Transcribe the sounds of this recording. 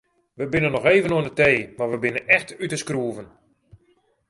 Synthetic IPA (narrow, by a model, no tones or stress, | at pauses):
ʋəbɪnənːɔxeːvənoənəteːmarʋəbɪnənɛxtytəskruəvən